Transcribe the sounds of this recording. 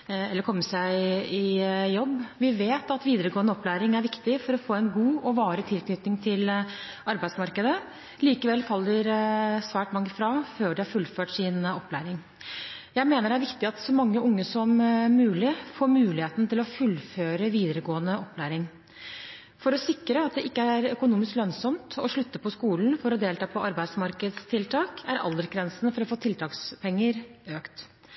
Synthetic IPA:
ɛlːəɾkʰɔmːəsæɪɪjɔbːʋɪʋeːt̪ɑt̪ʋiːd̪əɾəɡoːənəɔplæːɾɪŋæɾʋɪkt̪ɪfɔɾɔfoːæɛnɡuːɔʋɑːɾət̪ʰɪlknʏt̪nɪŋt̪ʰɪl | ɑɾbæɪd̪smɑɾkəd̪ə | liːkəʋɛlːfɑlːəɾsʋæːʈmɑŋːəfɾɑːføːɖɛhæɾfʉlføːʈsɪnɔpːlæ̰ːɾɪŋ | jæɪmeːnəɖæɾʋɪkt̪ɪɑt̪sɔmɑŋːəʊŋːəsɔmːʉːlɪfoːɾmʉːlɪheːt̪n̩t̪ɪlɔfʉlføːɾəʋiːd̪əɾəɡoːənəʔɔpːlæːɾɪŋ | fɔɾɔsɪkɾəɑt̪̚d̪ɛʔɪkːəæɾœkʊnuːmɪsklœnsɔmt̪ʰɔʂɭʉt̪ːəpʰɔskuːln̩fɔɾɔd̪eːlt̪ʰɑːpʰɔʔɑɾbæɪd̪smɑɾkəd̪st̪ʰɪlt̪ʰɑːkʰæɾʔɑ̰ld̪əɾɡɾɛnsn̩əfɔɾɔfoːt̪ʰɪlt̪ʰɑːkspʰɛŋːəɾøːkt̪

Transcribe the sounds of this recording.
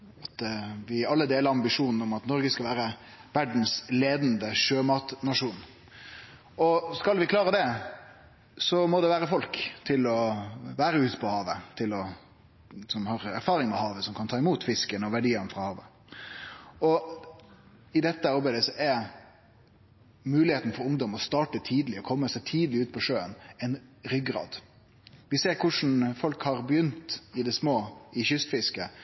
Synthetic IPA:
ɑt̪ʋɪɑlːəd̪eːləɾɑmbɪʂuːnn̩ɔmɑt̪nɔɾɡəskɑlʋæːɾə | ʋæɖn̩sleːd̪nd̪əʂøːmɑt̪nɑʂuːn | ɔskɑlʋɪklɑːɾəd̪ɛ | sɔmɔd̪ɛʋæːɾəfɔlkt̪ʰɪlɔʋæːɾəʉːt̪pʰɔhɑːʋət̪ʰɪlɔ | sɔmhɑːɾæɾfɑːɾɪŋmɛhɑːʋəsɔmkʰɑnt̪ʰɑːɪmuːt̪fɪskənɔʋæɖiːɑnfʁɑhɑːʋə | ɔ | ɪd̪ɛt̪ːəɑɾbæɪd̪əsɔʔæ | mʉːlɪheːt̪n̩fɔɾʊŋd̪ɔmɔst̪ɑːʈət̪ʰiːd̪əlɪɔkʰɔmːəsæɪt̪ʰiːd̪əlɪʉːt̪̚pʰɔʂøːənɛɪnɾʏɡɾɑ̰ːd̪ | ʋɪseːɾkʰʊʂn̩fɔlkhɑɾbəjʏnt̪ɪd̪ɛsmoːʔɪçʏst̪fɪskə

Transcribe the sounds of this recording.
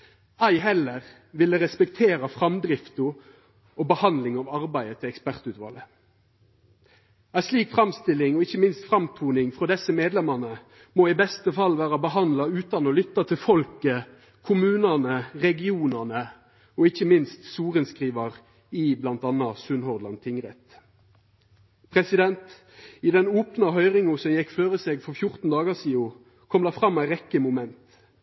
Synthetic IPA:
æɪɦɛlːəʁ | ʋɪləʁɛspɛkt̪ʰeːɾɑfʁɑmd̪ɾɪft̪ʊ | ɔbəhɑnlɪŋɑʋɑʁbæɪət̪ʰɪlɛkspæʁt̪ʉt̪ʋɑ̰ːlə | æɪsliːkfʁɑmst̪ɪlːɪŋɔɪçːəmɪnst̪fʁɑmt̪ʰuːnɪŋfʁɔd̪ɛsəmeːd̪lɛmɑnə | moːɪbɛst̪əfɑlːʋæːɾɑbəɦɑnd̪lɑʉːt̪ɑnɔlʏt̪ːɑt̪ʰɪlfɔlkə | kʰʊmʉːnənəʁɛɡɪuːnənə | ɔɪçːəmɪnst̪suːʁənskʁiːʋɑʁ | ɪblɑnt̪ɑnːɑsʉnhɔʁd̪lɑ̰nt̪ʰɪŋʁɛt̪ | pʰʁɛsɪd̪ɛnt̪ | ɪd̪ɛnoːpnɑɦœʏʁɪŋʊsɔmjɛkːføːʁəseːɡfɔfjʊʁt̪n̩d̪ɑːɡɑsiːʊ | kʰɔmd̪ɛfʁɑmæɪʁɛkːəmʊmɛnt̪

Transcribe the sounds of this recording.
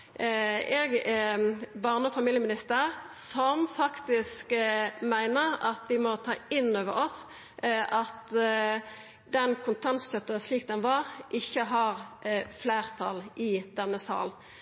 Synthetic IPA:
ɛɡ | bɑʁnəɔfɑmiːljəmɪnɪst̪əʁsɔmfɑkt̪ɪskmæɪnəʁɑt̪ʋɪmɔt̪ʰɑ̰ːɪnːoːʋə̰ɾɔs | ʔɑt̪ | d̪ɛnkʰʊnt̪ʰɑnst̪œt̪ːəsliːk̚d̪ɛnʋɑʁʔɪçːəɦɑʁfleːʁt̪ʰɑlʔɪd̪̥ɛnːəsɑ̰ːln

